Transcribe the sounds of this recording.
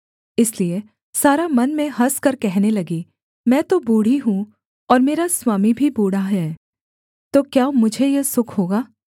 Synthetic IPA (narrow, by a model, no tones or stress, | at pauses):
ɪslie | saːɾamɐnmẽɦɐskɐɾkɛɦnelɐɡi | mɛ̃ːt̪obuːɽ̤iɦũ | ɔːɾmeːɾaswaːmibʱibuːɽaɦɛː | t̪oːkjaːmʊd͡ʒʱejesʊkʰɦoːɡaː